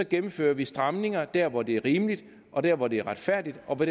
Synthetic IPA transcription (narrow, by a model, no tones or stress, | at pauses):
ɒ̽ɡ̥emm̩fø̰ːɐʋisd̥ʁɑmne̝ŋɐd̥æɐʋɒd̥e̝ɐʁiːmlid̥ | ʔɒ̽d̥æɐ̰ʋɒd̥e̝æɐʁɑ̈d̥fæɐ̰d̥id̥ɒ̽ʋe̥